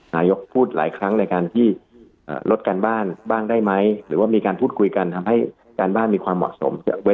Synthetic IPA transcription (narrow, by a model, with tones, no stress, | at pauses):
naː˧jo˦˥k̚pʰuː˥˩t̪̚la̰ː˩˦jkʰɾa˦˥ŋna˧jkaː˧nt̪ʰiː˥˩ | ʔə̰ː˨˩lʔo˦˥t̪̚ka˧nbaː˥˩nbaː˥˩ŋdaː˥˩jma˦˥jɾɯː˩˦waː˥˩miː˧kaː˧npʰuː˥˩t̪̚kʰu˧jka˧nt̪ʰa˧mha˥˩j | kaː˧nbaː˥˩nmiː˧kʰwaː˧mːɔ̰˨˩ʔ̚so̰˩˦mkʰɯ˧˩we˦˥